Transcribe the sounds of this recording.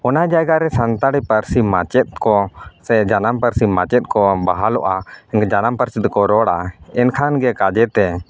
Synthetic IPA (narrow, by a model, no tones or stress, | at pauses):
ɔnad͡ʒajɡaɾɛsant̪aɽipəɾsimat͡ʃɛt̪̚kɔsɛd͡ʒanampəɾsimat͡ʃɛt̪̚ˀkɔbaɦalɔʔaɛɛd͡ʒanampəɾsid̪kɔɾɔɽaɛnkʰanɡɛkad͡ʒɛt̪ɛ